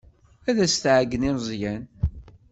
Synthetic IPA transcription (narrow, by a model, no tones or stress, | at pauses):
æðæst̪ʕɡːənizˤjæn